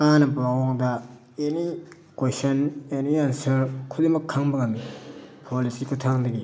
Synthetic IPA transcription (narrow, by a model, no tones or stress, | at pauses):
anɐpaɡɔŋdɐ | eni | kwesɐneniansɐɾkʰudemɐkʰːaŋbɐɡɐnpʰolisikʰutʰaŋdɐɡi